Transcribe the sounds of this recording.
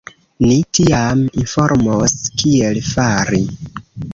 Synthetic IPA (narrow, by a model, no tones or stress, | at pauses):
nitiaminfoɾmoskielfaɾi